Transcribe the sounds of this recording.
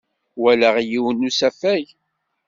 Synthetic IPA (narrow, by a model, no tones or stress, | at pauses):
wælæʁjiwənːusæfæj